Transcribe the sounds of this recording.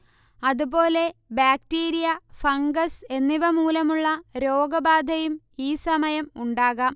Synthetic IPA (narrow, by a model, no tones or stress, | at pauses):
ɐðubo̞ːle̞baːktiːɾijɐfɐŋɡɐse̞nːiʋɐmuːlɐmuɭːɐɾo̞ːɡɐbaːd̪ʱɐjum | iːsɐmɐjɐmuɳɖaːɣɐm